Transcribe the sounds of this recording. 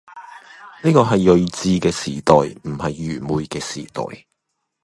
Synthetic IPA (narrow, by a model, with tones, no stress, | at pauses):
niː˥kɔː˧ɦɐ˨jːɵ˨ɥt͡siː˧kɛː˧siː˨˩t̪ɔː˨jm̩˨˩hɐ˨jːyː˨˩muː˨˧jkɛː˧sḭː˨˩t̪ɔ̰ː˨j